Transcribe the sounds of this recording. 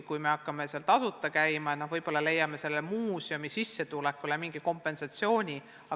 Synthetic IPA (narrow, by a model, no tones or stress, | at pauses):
kujme̞ɑkˑːɑme̞seɑlt̪ɑsut̪ːˑɑkæjmɑeno̞hvɤjb̥o̞lːɑle̞jːɑme̞se̞lːemuːsʲjo̞misisːe̞t̪ulekːˑulemiŋɡ̥iko̞mpːˑe̞nsɑt̪sio̞ːnʲi | ɑ